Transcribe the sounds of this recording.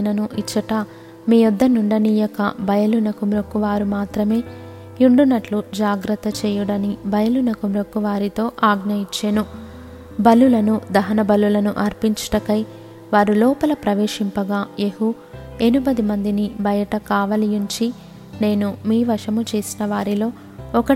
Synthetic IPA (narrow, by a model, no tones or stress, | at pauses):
nɐnuʔit͡ʃːɐʈɐ | miːjɔd̪ːɐnuɳɖɐniːjɔkɐ̰bɐjɐlunɐkumɾokːuʋaːɾumaːt̪ɾɐme̞ː | uɳɖunːɐʈlud͡ʒaːɡɾɐt̪ːɐt͡ʃɛːjuɽɐnibɐjɐlunɐkumɾokːuʋaːɾit̪o̞ːʔaːɡnɐjit͡ʃːenu | bɐlːulɐnud̪ɐɦɐnɐbɐlːulɐnuʔɐɾpiɲt͡ʃɐ̥ʈɐkɐj | ʋaːɾulɔːpɐlɐpɾɐʋeːʂimpɐɡaːeɦu | e̞nubɐd̪imɐnd̪inibɐjɐʈɐkaːʋɐlijuɲt͡ʃi | ne̞ːnumiːʋɐʂɐmut͡ʃe̞ːsinɐʋaːɾilo̞ː | ɔkɐ